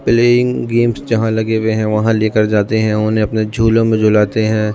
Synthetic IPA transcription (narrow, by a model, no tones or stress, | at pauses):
pleːɪ̃ŋɡeːmsd͡ʒɐɦãlɐɡeweɦɛ̃ʋɐɦãleːkəɾd͡ʒaːt̪eɦɛ̃ʊɦõnẽɐpned͡ʒʱuːlõmẽd͡ʒʱʊlaːt̪eɦɛ̃ː